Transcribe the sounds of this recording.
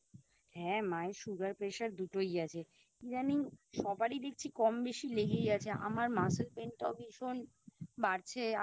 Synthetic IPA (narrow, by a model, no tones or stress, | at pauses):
hɛ̃maeʃuɡaɾpɾeʃaɾd̪uʈojat͡ɕʰe | id͡ʑaniŋʃɔbaɾid̪ek̚ʰt͡ɕʰikɔmbeʃileɡeɡat͡ɕʰeʔa̰maɾmaselpent̪ɔ̰biʃon | baɾt͡ɕʰea